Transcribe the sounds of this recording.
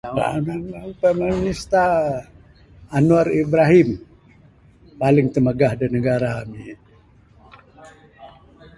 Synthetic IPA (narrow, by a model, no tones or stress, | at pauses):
a̰naapamaminist̪a | nuaɾibɾaɦim | palɪŋt̪əməɡahdanəɡaɾaami